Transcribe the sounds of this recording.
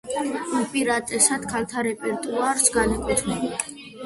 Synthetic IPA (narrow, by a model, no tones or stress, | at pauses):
upʼiɾat̪ʼɛsad̪̥kʰalt̪ʰaɾɛpʼɛɾt̪ʼuaɾsɡanakʼwɛt̪ʰɾɛbi